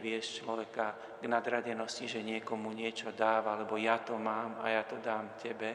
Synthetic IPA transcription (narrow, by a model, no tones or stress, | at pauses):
ʋɪɛʃt͡ʃlɔʋɛka | ɡnad̪ɾaɟɛnɔsciʒɛɲɪɛkɔmuɲɪɛt͡ʃɔd̪aːʋaalɛbɔjat̪ɔmaːmajat̪ɔd̪aːmcɛbɛ